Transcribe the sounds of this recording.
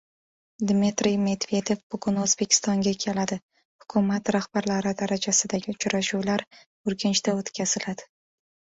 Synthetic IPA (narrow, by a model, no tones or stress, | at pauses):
d̪mit̪ɾɪjme̞d̪ve̞d̪e̞vbʊɡʊnɵzbe̞kʲʰɪ̥st̪ɒŋɡʲakʲʰe̞lad̪ɪ | hʊ̥kʰʊmat̪ɾahbaɾlaɾɪd̪aɾad͡ʒasɪd̪aɡʲɪʊt͡ʃʰɾaʃuwlaɾ | ʊɾkʲɪnt͡ʃt̪aot̪kʲʰaz̥ɪlad̪̥ɪ